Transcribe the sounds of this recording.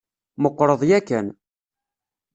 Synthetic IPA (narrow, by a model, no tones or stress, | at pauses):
məqːɾˤəðˤjækːən